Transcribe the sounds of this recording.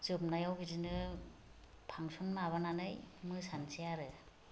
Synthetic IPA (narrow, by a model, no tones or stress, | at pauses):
zɯp̚najawɡidinɯ | pʰaŋsɔnmaβananɯjmɯsansijaɾɯ